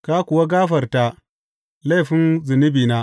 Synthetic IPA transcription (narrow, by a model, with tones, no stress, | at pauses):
ka˦kʷʊ˨wa˦ɡaː˦ɸɐ˨rta˦ | la˦˨ɸɪ˦nzɪ˨nɪ˦biː˨naː˦